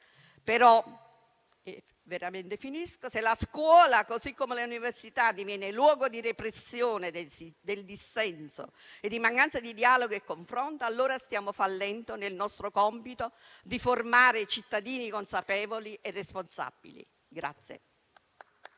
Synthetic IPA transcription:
peɾɔ | veɾament̪efiniskoselaskwɔːlakozikːomeleuniversit̪ad̪ːivjɛːnelwɔːɡod̪irepɾesːjoːned̪d̪eld̪isːɛnso̰ | ed̪ːimaŋkant̪sad̪id̪iaːloɡoekːoɱfɾɔnt̪aːlːoːɾast̪jaːmofalːɛnt̪onelnɔst̪ɾokɔmpit̪o | d̪iformaːɾet͡ʃit̪ːad̪iːnikonsapɛːvoliʔerːesponsa̰b̥ḭlḭ | ɡɾa̰t̪sːjḛ

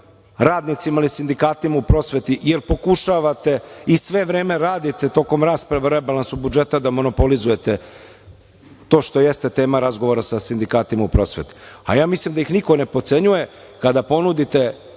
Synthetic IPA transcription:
ɾaːd̪nit̪simaːlisind̪ikaːt̪imaupɾo̞sʋet̪ijeɾpo̞kuʃaʋat̪e̞isʋe̞ʋɾeːme̞ɾaːd̪it̪et̪o̞ːko̞mɾaːspɾaʋaɾebalˠansubud͡ʒe̞t̪ad̪amo̞no̞po̞lizuje̞t̪e | t̪o̞ːʃt̪o̞jest̪et̪e̞ːmaɾazɡo̞ʋoɾasasind̪ikaːt̪imaupɾo̞sʋḛt̪i̥a̰jaːmislimd̪ajixnikone̞po̞t̪se̞ɲuje̞ | kad̪apo̞nud̪it̪e̞

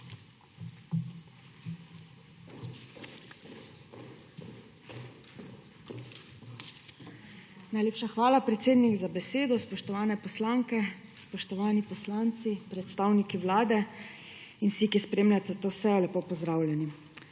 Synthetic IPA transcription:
najleːpʃaxʋaːlapɾɛt̪seːd̪niɡzabɛseːd̪ɔspɔʃt̪ɔʋaːnɛpɔslaːŋkɛspɔʃt̪ɔʋaːnipɔslaːnt̪sipɾɛt̪st̪aːwnikiʋlaːd̪ɛ | insikispɾeːmlʲat̪ɛt̪oːsɛjɔlɛpoːpɔzd̪ɾaːwlʲjɛni

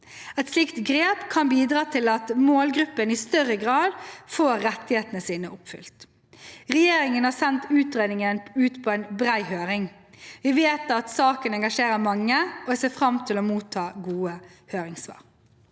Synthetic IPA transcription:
ɛt̪slɪkt̪ɡɾeːpkʰɑnbiːd̪ɾɑːt̪ʰɪlɑt̪moːlɡɾʉpːənɪst̪œɾːəɡʁɑːd̪foːɾːɛt̪ːɪheːt̪ənəsiːnəʔʊpfʏ̰lt̪ | ʁɛjeːɾɪŋənhɑːsɛnt̪ʉːt̪ɾeːd̪nɪŋənʉːt̪pʰɔɛnbɾæɪhøːɾɪŋ | ʋɪʋeːt̪ɑt̪sɑːkənɛŋɡɑʂeːɾəmɑŋːəɔseːfɾɑmt̪ʰɪlomuːt̪ʰːɑːɡuːəhøːɾɪŋsʋɑ̰ːʁ

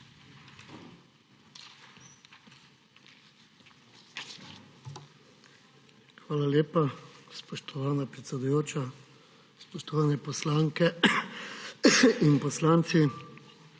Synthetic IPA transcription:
xʋaːlaljeːpaspɔʃt̪ɔʋaːnapɾɛt̪sɛd̪ujoːt͡ʃa | spɔʃt̪ɔʋaːnɛpɔslaːŋkɛ | inpɔslaːnt̪si

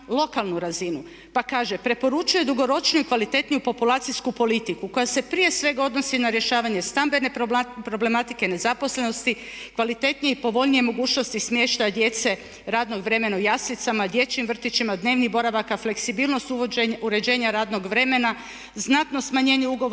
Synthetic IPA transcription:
lo̞kalˠnuɾazinu | pakaːʒe̞pɾe̞po̞ɾut͡ʃuje̞d̪uɡo̞ɾo̞t͡ʃnuikʋalit̪e̞t̪nijupo̞pulˠaːt̪siskupo̞lit̪ikuko̞jase̞pɾije̞sʋe̞ɡao̞d̪no̞sinaɾje̞ʃaːʋaɲe̞st̪ambe̞ne̞pɾo̞ble̞mat̪ike̞ne̞zapo̞sle̞no̞st̪i | kʋalit̪e̞t̪nijeipo̞ʋo̞ʎnije̞mo̞ɡuːt͡ʃnost̪ismje̞ːʃt̪ajd̪je̞t̪se̞ | ɾaːd̪no̞ɡʋɾe̞me̞naojaslit̪samad̪je̞t͡ʃimʋr̩t̪it͡ʃimad̪ne̞ːʋnibo̞ɾaʋakafle̞ksibiːlˠno̞st̪ueuɾe̞d͡ʒe̞ːɲaɾaːd̪no̞ɡʋɾe̞me̞na | znat̪no̞smaɲe̞ːɲeuɡo

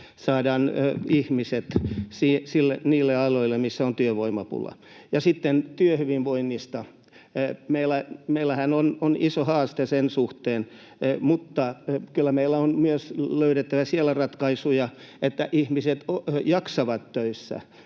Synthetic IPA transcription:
sɑːdɑːnihmiset̪siːsilːeniːlːeɑloilːemisːæont̪yøʋoimɑpṵlːɑ̰ | jɑsit̪ːent̪yøhyʋimʋoinːist̪ɑ | meilːˑæmeilːˑæhænononisohɑːst̪esensuht̪eːn | mut̪ːɑkylːæmeilːæonmyøsløyɾet̪ːæʋæsielærɑt̪kɑisujɑet̪ːæʔihmiset̪ojɑksɑʋɑt̪tøisːæ̰

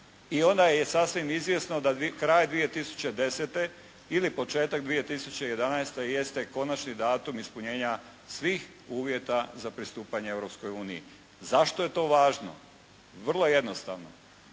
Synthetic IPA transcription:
io̞nd̪ajje̞sasʋimizʋʲje̞sno̞d̪aikɾaːjd̪ʋije̞t̪isu̥t͡ɕe̞d̪e̞set̪e̞ | ilipo̞t͡ʃe̞ːt̪aɡd̪ʋije̞t̪isut͡ɕe̞je̞d̪anaest̪eje̞st̪e̞ko̞nat͡ʃnid̪aːt̪umispuɲeːɲa | sʋiːx | uːʋje̞t̪azapɾist̪uːpaɲeeʋɾo̞psko̞juːniḭ | zaʃt̪o̞je̞t̪o̞ːʋaːʒno̞̰ | ʋr̩lˠo̞je̞d̪nost̪a̰ːʋno

